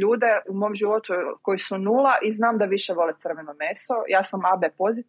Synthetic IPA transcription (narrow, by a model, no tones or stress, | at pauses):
uːd̪e̞umomʒiʋo̞t̪uko̞jisunuːlˠaʔiznaːmd̪aʋiʃeʋo̞let̪sr̩ʋenomeso̞jaːsamabepo̞zit̪